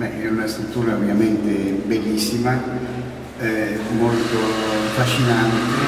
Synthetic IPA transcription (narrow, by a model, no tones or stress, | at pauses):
bɛɛunast̪ɾut̪ːuːɾaovjament̪ebelːisːima | molt̪ofaʃːinant̪e